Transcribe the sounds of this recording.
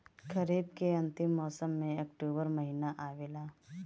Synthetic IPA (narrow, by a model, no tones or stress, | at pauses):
kʰɐɾiːbkeɐ̃nt̪ɪmːɔːsəmːẽɐkʈoːbəɾmɐɦiːnaʔaːʋeːlaː